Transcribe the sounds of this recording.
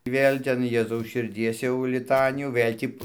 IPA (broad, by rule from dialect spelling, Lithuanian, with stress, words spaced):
ˈʋʲeːlʲ ˈtʲɛn ˈjeːzɐʊs ʃʲɪrʲˈdʲiɛs jɛʊ lʲɪˈtɑːnʲɪjuː ˈʋɘlʲ tʲiː